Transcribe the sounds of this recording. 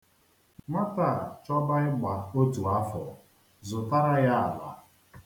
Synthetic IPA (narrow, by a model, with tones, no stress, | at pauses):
ma˦ta˦˨t͡ʃɔ˦ba˦ɪ˦ɡ͡ba˨o˦tu˨a˦fɔ̰˨ | zʊ˨ta˦ɾa˦ja˦a˨la̰˨